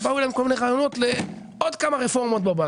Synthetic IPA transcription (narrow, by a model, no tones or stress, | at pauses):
baulajmkomineʁaːjono̞tle | od̪kamaʁefo̞ʁmot̪baba